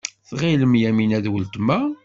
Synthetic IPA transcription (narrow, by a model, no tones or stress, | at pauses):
θʁiləmjæminæðwəlt̪əmæ